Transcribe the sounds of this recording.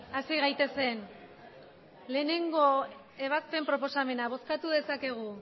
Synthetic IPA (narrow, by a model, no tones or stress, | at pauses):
asiɣajt̪e̞se̞n | le̞ːne̞ŋɡo̞ | e̞β̞aspe̞mpɾo̞po̞same̞naβo̞skat̪uðe̞sake̞ɣ̞u